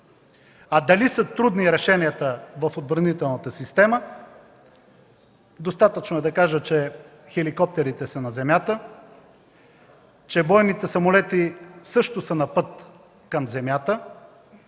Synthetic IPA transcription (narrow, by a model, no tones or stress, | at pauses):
ad̪ɐlisət̪ɾud̪niɾɛʃɛniət̪əvɐfod̪̚bɾɐnit̪ɛlˠnət̪əsist̪ɛmə | d̪ost̪at̪ət͡ʃnoɛd̪ɐkaʒət͡ʃɛ | xɛlikɔp̚t̪ɛɾit̪ɛsɐnɐzɛmjat̪ə | t͡ʃɛbɔjnit̪ɛsɐmolɛt̪isɤʃt̪ʊsənɐpɤt̪ | kɐmzɛmjat̪ə